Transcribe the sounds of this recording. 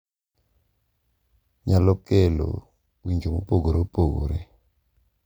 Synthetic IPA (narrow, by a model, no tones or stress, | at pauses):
ɲalɔkelo̰ | wiɲd͡ʒomopoɡoɾepoɡo̰ɾe